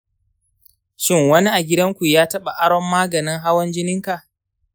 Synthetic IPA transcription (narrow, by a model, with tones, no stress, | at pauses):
ʃɪ˦ŋwɐ˦ni˦ʔa˨ɡʲɪ˦dɐ˦ŋkʷu˨jaː˦tɐ˦ɓa˨ʔa˦ɽɔ˦mːaː˦ɡɐ˨nɪ˦ŋɦa˦wɐ˦nd͡ʒɪ˦nɪ˦ŋka˨ʔ